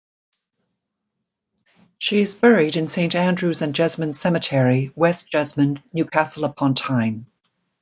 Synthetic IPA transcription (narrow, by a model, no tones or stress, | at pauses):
ʃiɪzbɛɹɪdɪ̃nsẽɪ̃ntæ̃ndɹʉːzə̃nd͡ʒʌzmə̃n̥sɛmətʰɛːɹiwɛsd̥ʒ̥ʌzmə̃nːjʉːkʰasəlˠəpʰɒ̃ntʰãɪ̃m